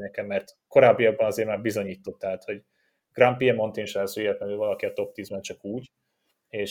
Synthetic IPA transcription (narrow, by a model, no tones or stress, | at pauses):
nɛkɛmːɛrt̪ | ko̞ɾaːbːijɒɡ̚bɒnɒzeːrmaːrbizo̞ɲiːt̪ːot̪ɛɦat̪ho̞ɟ | ɡ̥rampiɛmo̞nt̪inʃɛlsoɛt̪nɛlylvɒlɒkiɒt̪o̞p̚t̪iːzbɛnt͡ʃɒkuːɟ | eːʃ